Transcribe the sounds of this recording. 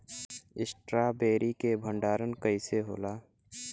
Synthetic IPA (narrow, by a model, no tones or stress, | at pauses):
ɪsʈɾabeːɾikebʱə̃ɳɖaːɾənkəiseɦo̰ːlaː